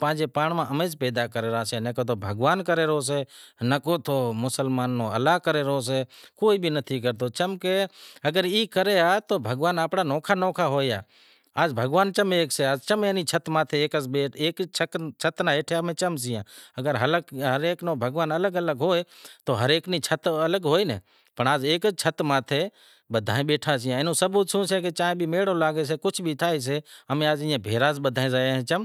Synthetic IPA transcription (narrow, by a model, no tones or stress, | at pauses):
pãːd͡ʒepaːɳmãʔəmeːspeːd̪akəɾeːɾaːsenəkot̪ʰobʱəɡʋaːnkəɾeɾɦos̬eːnəkoːt̪ʰoːmʊsəlmaːnːoːə̰laːkəɾeɾɦos̬eːkoːiːbʱinət̪ʰikəɾt̪oːt͡ʃəmkeəɡəɾiːkəɾeaːt̪oːbʱəɡʋaːnaːpɽaːnɔːkʰaːnɔːkʰaɦoːjja̰ː | aːd͡ʒbʱəɡʋaːnt͡ʃəmeːkseaːd͡ʒt͡ʃəmeːnit͡ʃʰət̪mãːt̪ʰeeːkəsbeːeːkt͡ʃʰət͡ʃʰət̪naːeːʈʰeəmẽːt͡ʃəmsɪjãːəɡəɾɦələkɦəɾeːknoːbʱəɡʋaːnələɡələɡɦoːet̪oːɦəɾeːkniːt͡ʃʰət̪ələɡɦoːiːnə̰ | pəɳaːd͡ʒeːkət͡ʃʰət̪mãːt̪ʰeː | ɓəd̪ʱaːẽɓeːʈʰaːs̬ɪjãːɪnũːsəbuːt̪sʰũːseːket͡ʃãːẽbʱiːmeːɽolaːɡeːs̬eːkʊt͡ʃʰbʱiːt̪ʰaːes̬eːəmẽaːd͡ʒɪ̃ːãːbʱeːɾaːzbəd̪ʱaːẽzaːjẽt͡ʃəm